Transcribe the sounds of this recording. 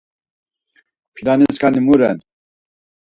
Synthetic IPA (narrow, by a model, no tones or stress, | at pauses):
pʰilaniskanimuɾɛn